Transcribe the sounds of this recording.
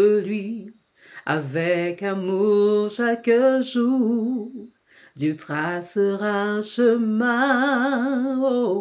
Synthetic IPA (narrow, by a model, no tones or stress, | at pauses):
əlɥi | a̰vɛkamuʁʃakəʒu | d̪ət̪χasəʁãʃəmɛ̃ | o